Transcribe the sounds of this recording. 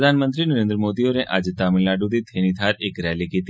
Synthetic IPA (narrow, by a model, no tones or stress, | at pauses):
d̪ʱaːnmənt̪ɾinəɾẽnd̪ɾəmoːd̪ioneʔad͡ʒt̪aminlaɖud̪it̪ʰeɽ̃it̪ʰaɾekɾɛlikit̪